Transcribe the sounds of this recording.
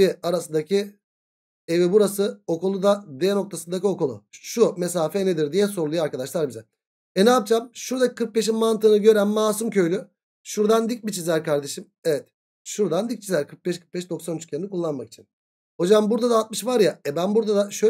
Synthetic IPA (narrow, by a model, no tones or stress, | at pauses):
iaɾasɯnd̪acʰi | evibuɾasɯo̞kulˠud̪ad̪ejɛno̞k̚t̪ʰasɯnd̪acio̞kolˠṵʃume̞saːfɛned̪iɾd̪ijɛs̬o̞ɾlˠujaɾkad̪aʃlˠaɾbizɛ | ɛnɛaːp̚t͡ʃʰamʃuɾd̪akʰɯɾk̚be̞ʃ̬inmant̪ɯːnɯɟø̞ɾænmaːsumcʰø̞jlʲy | ʃuɾd̪and̪ic̚bit͡ʃʰizæɾkʰaɾd̪e̞ʃim | evɛt̪̚ | ʃuɾd̪and̪ic̚t͡ʃʰizæɾkʰɯɾk̚bɛʃkʰɯ̥ɾk̚bɛʃd̪o̞ksanyt͡ʃcʰeɾinikʰulˠːanmaki̥t͡ʃʰin | ho̞d͡ʒambuɾd̪ad̪aːlˠt̪̚mɯʃvaɾjaɛbænbuɾd̪ad̪aʃø